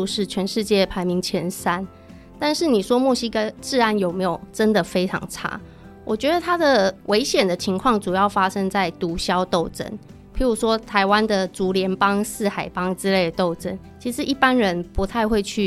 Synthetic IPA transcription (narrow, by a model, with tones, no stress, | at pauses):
ʂɻ̩˥˩t͡ɕʰɥɛ˧˥nʂɻ̩˥˧t͡ɕjɛ˥˩pʰa˧˥ɪmi˧˥ŋt͡ɕʰjɛ˧˥nsa˦n | t̪a˥˧nʂɻ̩˥˩ni˨˩ʂwɔ˥mwɔ˥˩ɕi˥kə˥t͡sɹ̩˥˧a˧˦njo˨˩me˧˥ɪjo˨˩ʊʈ͡ʂə˦˥nd̪ə˨fe˥ɪʈ͡ʂʰɑ̰˧˥ŋʈ͡ʂʰa̰˥ | wɔ˨˩t͡ɕɥɛ˧˥d̪ə˨t̪ʰa˥d̪ə˨wʔe˧˥ɪɕjɛ˨˩nd̪ə˦t͡ɕʰi˧˥ŋkʰwɑ˥˩ŋt͡su˨˩jɑ˥˩ʊfa˥ʂə˥ŋt͡sa˥˩ɪt̪u˧˥ɕjɑ˥ʊt̪o˥˩ʊt͡sə̰˥n | pʰi˧˥ɻu˧˥ʂwɔ˥t̪ʰa˧˥ɪwa˦nd̪ə˨t͡su˧˥ljɛ˧˥npɑ˥ŋsɹ̩˥˩xa˨˩ɪpɑ˥ŋt͡sɹ̩˥le˥˩ɪd̪ə˩t̪o˥˩ʊt͡sə̰˥n | t͡ɕʰi˧˥ʂɻ̩˧ʔi˥˩pa˦˥nɻə˧˦npu˧˥t̪ʰa˥˧ɪxwe˥˧ɪt͡ɕʰy˥˩